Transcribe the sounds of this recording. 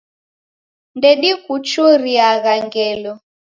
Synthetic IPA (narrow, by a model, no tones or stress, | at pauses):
ndɛɗikut͡ʃuɾiaɣaŋɡɛlɔ